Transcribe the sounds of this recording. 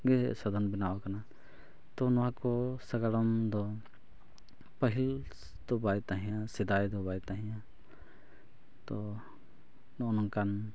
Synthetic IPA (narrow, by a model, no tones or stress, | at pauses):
ɡɛsəd̪ʱɔnbinawakəna | t̪ɔnɔɦãkɔsəɡaɽɔmd̪ɔ | pəɦil | d̪̥ɔbajt̪aɦĩjãsid̪ajd̪ɔbajt̪aɦĩjã | t̪ɔ | nɔnɔŋkan